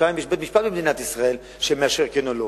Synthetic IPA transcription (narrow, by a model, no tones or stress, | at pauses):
aimjeʃbet̪miʃpat̪̚bemd̪inat̪isʁael | ʃemeaʃeʁkenolo